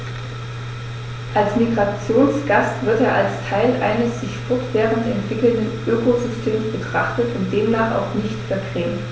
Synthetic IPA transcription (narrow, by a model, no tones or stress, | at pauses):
ʔalsmiɡʁat͡sjoːnsɡ̥astv̥ɪɐteːɐʔalstʰaɪlʔa̰ɪnəsz̥ɪçfʊçtb̥eːʁənɛntv̥ɪkl̩ndənʔøːkozʏstʰeːmsb̥ətʁ̥aχtətʊnt̚d̥eːmnaːχa̰ʊxnɪçtfɛɐɡʁ̥ɛːmt